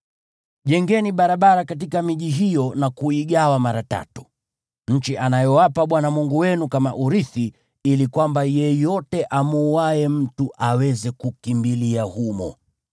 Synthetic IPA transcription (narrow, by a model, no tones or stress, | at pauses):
ʄɛŋɡɛniɓaɾaɓaɾakat̬ikamiʄiɦijɔnakuiɡawamaɾata̰tu̥ | ɲ̩t͡ʃiʔanajɔwapaɓwanamuŋɡuwɛnukamaʔuɾiθi | ilikwambajɛjɔtɛʔamuːwaɛm̩tuʔawɛzɛkukimbiliahumɔ̰